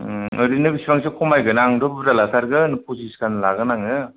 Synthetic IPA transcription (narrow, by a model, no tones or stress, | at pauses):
ɯɾinɯbisibaŋsʰɯkʰɔmajɡɯnaŋdɯbɯɾalasʰaɾɡɯnɯpʰusiskanlaɡɯnaŋɯ